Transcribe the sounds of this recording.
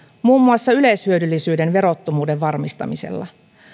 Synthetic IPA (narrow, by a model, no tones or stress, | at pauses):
muːmːuɑsːɑyleshyødylːisyːde̞nʋe̞ɾo̞t̪ːomuːde̞ʋʋɑrmist̪ɑ̰mise̞̰lːɑ̰